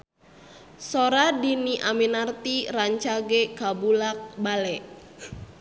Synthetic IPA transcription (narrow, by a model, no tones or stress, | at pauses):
soɾadiniʔaminart̪iraɲt͡ʃaɡɛkabulak̚balɛʔ